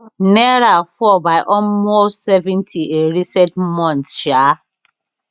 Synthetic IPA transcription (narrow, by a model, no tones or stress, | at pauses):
nɛɾafɔbaɪʔɔmotsɛvɛ̃ntʰieɾisɛdmɔ̃ntʃa